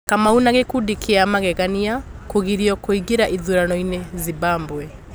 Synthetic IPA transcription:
kamaunaɣekudikiamaɣɛɣaniakoɣiɾiɔkoiɡiɾaʔiðuɾanɔinezibaːmbwɛ

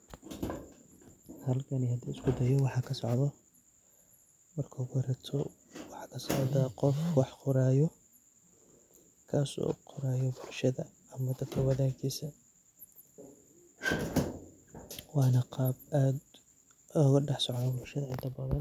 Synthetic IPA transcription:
hɐlkʰɐnihɐd̪iːɪskʰʊd̪ɐjɔwɑħɑːkʰɐsɔʕðɔ | mɐrkʰɐɣʊɾɐt̪ʰɔ | wɑħɑːkʰɐsɔʕðaqɔfwɑħqʊɾaːjɔ | kʰaːsɔ̰ːqʰʊɾaːjɔbʊlʃɐðɐ | ɐmɐd̪ɐkʰɐwɐðaːɡiːsɐ | wɑːnɐqɑːbʔaːd̪ | ɔːɣɐɖɑħsɔʕðɐbʊlʃɐðɐʕɪnt̪ʰɐbɐðɐn

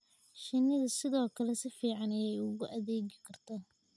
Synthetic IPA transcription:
ʃɪnːɪðɐsɪðɔːkʰɐlɛsɪfiːʕɑnɐjɛjʊɣʊʔɐðɛːɣɪkʰɐrt̪ʰaː

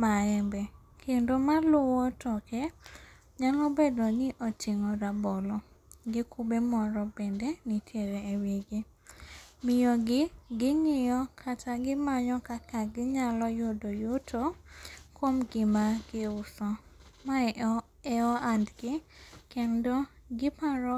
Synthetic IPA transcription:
maɛmbɛ | kʰendomalʊwɔtɔkɛ | ɲalɔbedɔnɪʔot͡ʃiŋoɾabɔlɔɡɪkubemɔɾɔbendenɪtʰjeɾeːwiɡi | mɪjɔɡɪɡɪŋɪjɔkʰataɡɪmaɲɔkakaɡɪɲalɔjʊdojʊtʰokwomɡɪmaɡɪʊsɔma | ɛɔandɡɪkendoɡɪpaɾɔ

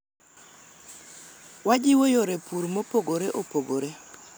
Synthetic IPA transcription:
wad͡ʒɪwojoɾepuɾmopoɡoɾeʔopoɡoɾe

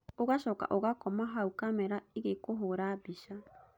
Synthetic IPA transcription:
oɣaʃɔka̰ʔoɣakɔmaɦaukamɛɾaiɣekoɦoɾabiʃa

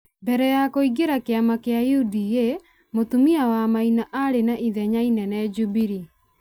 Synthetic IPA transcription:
bɛɾɛjakoiɡeɾakeamakeajiudije | motumiawamainaʔaɾenaʔiðɛɲainɛnɛd͡ʒubiɾi

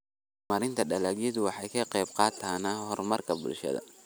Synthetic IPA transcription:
mɐɾɪnt̪ʰɐɖɐlaːɡjɪðʊwɑħɑjkʰɐqɛjb̚qɑːt̪ʰaːnɐhɔrmɐrkʰɐbʊ̰lʃɐ̰ðɐ̰

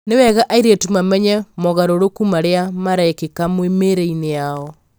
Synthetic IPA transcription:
newɛɣaʔaiɾetumamɛɲɛmɔɣaɾoɾokumaɾeamaɾaekekamwemeɾeineaɔ

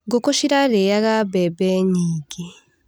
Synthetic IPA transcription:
ɡokoʃiɾaɾejaɣabɛbɛɲiːɡe

